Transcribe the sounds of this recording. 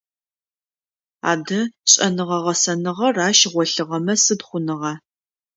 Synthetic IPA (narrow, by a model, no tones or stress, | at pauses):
a̰ːdɐɕʼɐnɨʁɐʁɐsɐnɨʁɐraːʃʁʷɔɬɨʁɐmɐsɨdχʷʊnɨʁɐ